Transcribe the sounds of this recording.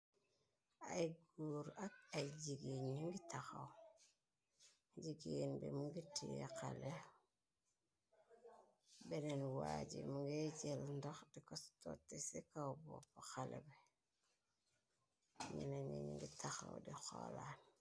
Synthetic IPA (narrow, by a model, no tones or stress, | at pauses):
ajɡuɾak̚ajɟiɡiɲiŋɡitaxaw | ɟiɡenbḛmuŋɡitikale | benenwaɟḭmuɡiɟelndoxdikostotːesikawbopoxalḛbe | mḭnaɲiɲḭŋɡitʰaxawdixolan